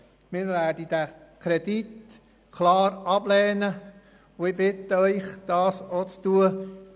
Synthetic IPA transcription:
mɪːɾvæːdid̥ækʰɾɛdit | kʰlɑːɾɑblɛːnə | ʊɪbɪt̪əœʏχd̥ɑːsot͡st̪uə

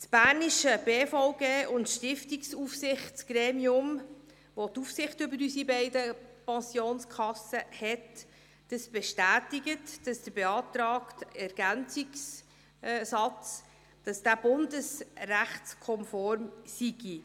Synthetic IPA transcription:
sb̥æːɾniʃəb̥eːfɔʊɡeːʔʊntʃtɪftiksufsɪχtt͡sɡ̥ɾeːmiʊm | ʋotufsɪχtʏbəɾysibɛɪdəpɑnsjoːnskʰɑsəhɛt | d̥əsb̥ɛʃtæːtiɡətd̥ɑsd̥əbeɑːtɾɑːktɛɾɡ̥ænt͡siks | sɑt͡s | d̥ɑsd̥æb̥ʊndəsræχt͡skʰɔmfɔɾmsiɡ̥i

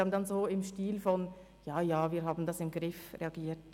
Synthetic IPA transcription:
ɑbnd̪ɑnzoːɪmʃtiːlfɔn | jɑːjɑːviːɾɦaːbn̩dɑsɪmɡ̥ɾɪfɾeɑɡiːt

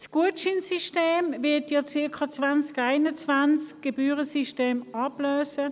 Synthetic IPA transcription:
sɡ̥uətt͡ʃinsiʃteːmvɪɐtjɔt͡sɪɐkʰɑt͡svant͡skaɪnət͡svant͡sk̚ɡ̥ebyːʁəsiʃteːmɑb̥løːsə

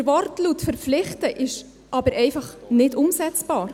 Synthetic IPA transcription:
ɾvɔɾtlutfəɾflɪχtəʔɪʃ | ʔɑbəɾʔɛɪfɑχnɪdʊmsɛt͡sb̥ɑːɾ

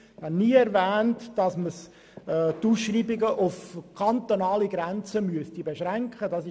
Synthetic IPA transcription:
hɑnniːɛɾvæːntd̥ɑsməs | tuːsʃriːbɪɡəʔʊfkʰɑnt̪onɑːliɡɾænt͡səmyəstibeʃɾæŋkχədɑs

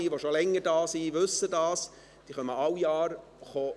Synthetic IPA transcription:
iʋoʃolɛŋːədɑːsiʋɵsədɑːs | d̥iːχœməɑwjɑːr | χoː

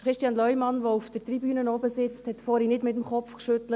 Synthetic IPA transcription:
əχɾɪʃtjɑnlœʏmɑnʋoufd̥ət̪ɾibyːnənɔbəsɪt͡sthɛt̪fɔːɾinɪtmɪt̪əm̩χɔfkʃʏt̪lə

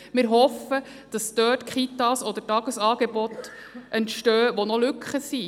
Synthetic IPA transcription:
mɪɾɦɔfə | d̥ɑst̪œːtkχitɑsɔd̪əɾtɑɡ̥əsɑːɡ̥ebɔt̪ʔɛntʃtœːʋɔnɔlʉkχəsi

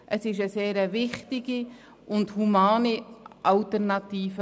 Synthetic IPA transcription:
ʔəsɪʃəseːɾəvɪχtɪɡi | ʔʊndhumaːniʔɑltɛrnɑtiːfə

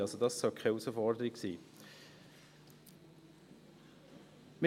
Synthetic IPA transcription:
ɑlsodɑssɔlkʰaɪusəfɔɾdəɾɪksḭː | mə

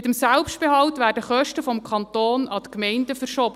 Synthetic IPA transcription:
ɪt̪əmsælpʃtb̥eɦɑwtʋæːrdəχœʃtəfɔmkʰɑnt̪oːnɑt̪əkmɛɪndəfəɾʃoːbə

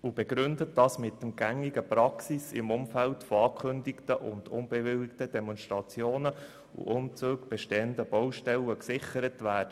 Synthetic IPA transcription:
ub̥ɛɡɾʏndətd̥ɑsmɪtːəmɡ̥æŋiɡəpɾɑksisɪ̰mʊmfæltfoɑːkʰɵndiktəʔʊ̰nd̥ʊnb̥ɛʋɪlktəd̥ɛmɔnstʁɑt͡sjoːnə | ṵʔʊmt͡suːɡb̥ɛʃteːəndəb̥ɔwʃtɛlːəksɪχəɾətʋæːd̥ə

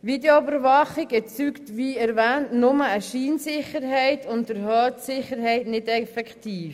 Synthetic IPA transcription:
ʋideoʏbəɾʋɑχɪɡɛt͡syktʋiːɛɾʋæːntnʊməəʃiːnsɪχəɾɦɛɪtʰʊntəɾhœːtsɪχəɾɦɛɪtnɪdɛfɛkχtiːf

